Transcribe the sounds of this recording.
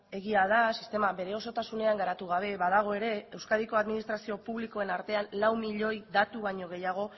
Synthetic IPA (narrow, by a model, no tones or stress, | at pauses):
e̞ɣiaðasist̪e̞maβe̞ɾe̞o̞so̞t̪asune̞aŋɡaɾat̪uɣ̞aβ̞e̞βaðaɣ̞o̞e̞ɾe̞ewskaðiko̞aðminist̪ɾasio̞puβliko̞e̞naɾt̪e̞anlawmiʎo̞jðat̪uβaɲo̞ɣ̞e̞jaɣ̞o̞